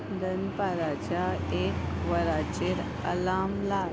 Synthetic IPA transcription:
d̪ənpaɾat͡ɕjaekʋəɾat͡ɕeɾ | ə̰laːmla

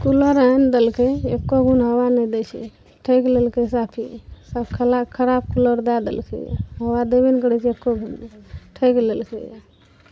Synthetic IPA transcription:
kuləɾand̪elkeekːoɡʱunɦəwanɛd̪et͡ʃʰɛ̰ | ʈʰəjklelkesapʰisapkʰəlakʰəɾab̚kuləɾd̪ad̪ḛlkʰɛ̰ɦəwad̪ebɛnkəɽɛt͡ʃʰiekːoɡʱunʈʰəjklelkɛ̰

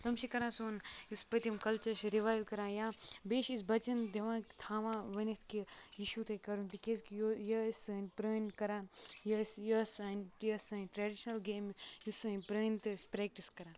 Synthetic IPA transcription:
t̪ɐmʃikɐɾãːsoːnjuspɐt̪imkɐlt͡ʃɐɾʃɾiʋaːjʋkɐɾãːjaːbeːʃisbɐt͡ʃɐnd̪eʋãːkt̪ʰaːʋãːʋɐnist̪ʰkiiʃut̪ekɐɾunt̪ikeskijojɐsɐnʲpɾɐːnkɐɾãːjɐsjɐsaːnjɐsɐʈɾeːɖiʃnɐlɡeːmjusɐnʲpɾɐːnt̪ɨspɾeːk̚ʈiskɐɾãː

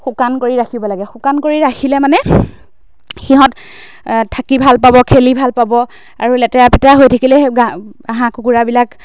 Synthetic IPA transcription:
xukankoɹiɹaxʰibɔlaɡɛxʊkankoɹiɹaxʰilɛmanɛ | xiɦɔt | tʰːakibʱalpabɔkʰelibʱalpabɔ | a̰ɹulɛtɛapɛtaɦojtʰakilɛɡaaɦãkukuɹabilak

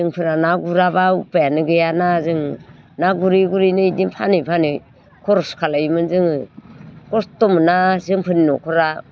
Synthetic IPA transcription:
ɯŋpʰɯnanaɡuɾaβaupajanɯɡɯjanazɯŋ | naɡuɾiɡuɾinɯidimpʰanɯpʰanɯ | kʰɔɾɔskʰalaimɯnzɯŋɯkɔstɔmɯnazɯŋpʰɯninɔkʰɔɾa

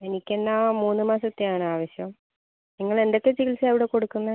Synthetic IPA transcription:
e̞nikʲːenːamuːnːɨmaːsɐt̪ːejaːɳɨaːʋɐɕjɐm | niŋːɐɭe̞nd̪o̞kːe̞t͡ɕikilseɐʋiɽe̞ko̞ɽukːunːɐ

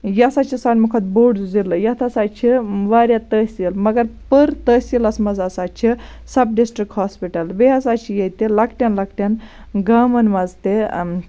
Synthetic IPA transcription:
jɐsaːt͡ʃʰisaːnʲmukʰɐt̪̚boːɽd͡zilɨjɐt̪ʰɐsaːt͡ʃʰiʋaːɾʲjat̪əːsʲilmɐɡɐɾpəɾt̪əsilɐsmɐzasaːt͡ʃʰi | sɐb̚ɖisʈɾik̚ʈhaːspiʈɐlbejɐsaːt͡ʃʰijejt̪elɐkʈʲjanlɐkʈʲan | ɡaːmɐnʋɐzt̪e

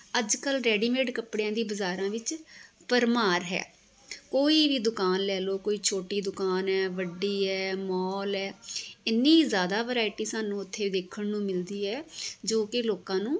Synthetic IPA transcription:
əd͡ʒkəlɾɛːɖiːmeːɖkəpɽeãːd̪iːbəzaːɾãːʋɪt͡ʃ | pəɾmaːɾɦɛ̰ː | koːiːʋiːd̪ʊkaːnlɛːloːkoːiːt͡ʃʰoːʈiːd̪ʊkaːnɦɛːʋəɖiːɦɛːmɔːlɛːɪnːĩːzjaːd̪aːʋəɾaːɪʈiːsaːnũːʊt̪ʰːeːiːd̪eːkʰəɳnũːmɪld̪iːɦɛːd͡ʒoːkɪloːkãːnũː

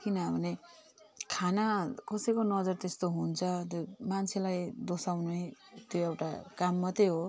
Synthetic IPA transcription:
kinʌbʱʌne | kʰanakʌsekonʌd͡zʌrt̪est̪oɦunt͡sʰʌt̪omant͡sʰelajd̪osawnujt̪joewʈa̰kamːʌt̪eɦo

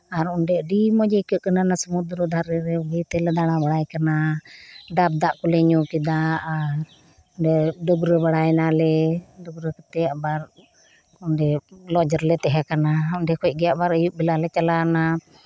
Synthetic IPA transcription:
aɾunɖɛɖimɔd͡ʒəjkəʔkənanasəmud̪ɾəd̪ʱaɾɛɾɛɡəjt̪ɛlɛd̪aɽ̃abaɽajkana | ɖab̚d̪aʔkulɛɲukid̪aaɾ | ɔnɖɛɖubɾəbaɽajnalɛdubɾəkət̪ɛjaʔbaɾ | unɖɛlɔd͡ʒɔɾlɛt̪ɛɦakanaunɖɛkʰɔtc̚ɡɛjaʔbaɾəjuʔ̚bɛlalɛt͡ʃalana

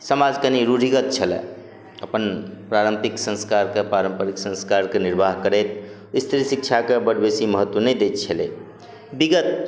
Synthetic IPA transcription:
səmad͡ʒkəniɾuɾʱiɡət̪̚t͡ʃʰəlɛ̰̃ | əpənpɾaɾəmpiksə̃nskaɾkepaɾəmpəɾiksə̃nskaɾkeniɾbʱaɦkəɾɛt̪ | ist̪ɾisik̚t͡ʃʰakebəɽbesiməɦət̪wəned̪et̪t͡ʃʰəlḛ | biɡət̪̚

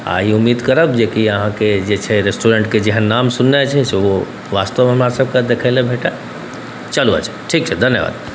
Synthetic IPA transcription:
a̰iʊmːiːd̪kəɾəbd͡ʒekiəɦãked͡ʒet͡ʃʰeɾesʈuɾẽɳʈked͡ʒeɦãnaːmsʊnːet͡ʃʰɛseʋo | ʋaːst̪əʋmẽɦɐmaːɾsəb̚kad̪ekʰaɪlebʱeːʈa | t͡ʃəlua̰t͡ʃʰɛ̥ʈʰiːkt͡ʃʰɛd̪ʱɐnjəʋa̰ːd̪

